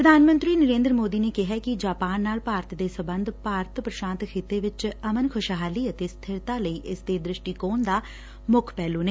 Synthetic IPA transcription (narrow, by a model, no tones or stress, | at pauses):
pɾəd̪ʱaːnmə̃nt̪ɾiːnəɾẽːnd̪ɾəmoːd̪iːneːkɪɦɛːkɪd͡ʒaːpaːnːaːlpaːɾt̪d̪eːsəbənd̪paːɾt̪pɾəʃãːnt̪kʰet̪eːʋɪt͡ʃəmənkʰʊʃɦaːliːət̪eːst̪ʰɪɾt̪aːləiːʔɪsd̪eːd̪ɾɪʃʈiːkoːnd̪aː | mʊkʰpɛːlũːneː